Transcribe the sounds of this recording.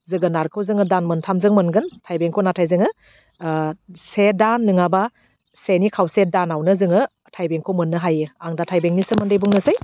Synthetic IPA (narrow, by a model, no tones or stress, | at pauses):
zɯɡɯnaɾkʰɯwzɯŋɯdanmɯntʰamzɯŋmɯnɡɯntʰajbeŋkʰɯwnatʰajzɯŋɯ | sedanːɯŋaba | senikʰawsedanawnɯzɯŋɯ | tʰajbeŋkʰɯwmɯnːɯɦajɯaŋdatʰajbeŋnisɯmandejbuŋnɯzaj